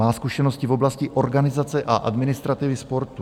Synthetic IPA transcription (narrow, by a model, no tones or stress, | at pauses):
aːskuʃɛnoscɪvo̞blascɪʔo̞ɾɡanɪzat͡sɛʔaʔa̰d̪mɪnɪst̪ɾat̪ɪvɪspo̞ɾt̪u